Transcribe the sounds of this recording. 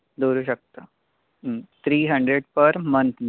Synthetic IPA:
d̪oːɾuɕək̚t̪ə | t̪ʰɾiːɦəɳɖɾeɖpəɾmənt̪ʰ

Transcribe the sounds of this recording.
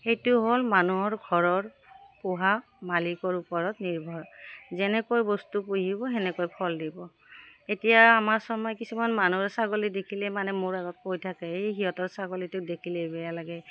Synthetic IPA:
xejtʊɦolmanuɦɔɹɡʱɔɹɔɹ | pʊɦa | malikɔɹupɔɹɔtniɹbʱɔɹzɛnɛkojbɔstupuɦibɔɛnɛkojpʰɔldibɔ | etijaːmaɹsɔmɔjkisumanmanusaɡolidekʰilɛmanɛmoɹaɡɔt̚kojtʰakɛejɦiɦɔtɔɹsaɡolitʊdekʰilebɛjalaɡɛ

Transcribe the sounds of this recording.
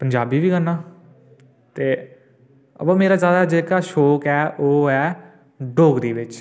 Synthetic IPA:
pəɲd͡ʒaːbiːʋiːɡənːaː | t̪eː | ə̰pãːmeːɾaːzjaːd̪aːd͡ʒeːkaːʃoːkɛːʔoːɛː | ɖoːkd̪iːʋɪt͡ʃ

